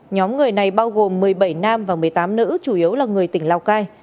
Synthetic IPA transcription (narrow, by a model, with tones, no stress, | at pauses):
ɲɔ˨˦mŋɨ˨˩əjna˨˩jɓaː˧wɣo˨˩mːɨ˨˩əjɓə˧˩jnaː˧mvaː˨˩mɨ˨˩əjt̪aː˨˦mnɨ̰˧˥t͡ɕu˧˩ʔi˨˦əwlaː˨˩ŋɨ˨˩əjt̪ï˧˩ŋ̟laː˧wkaː˧j